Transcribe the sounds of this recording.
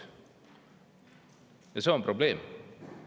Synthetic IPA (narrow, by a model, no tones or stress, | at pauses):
ɛsɔnpʰɾʊbleːm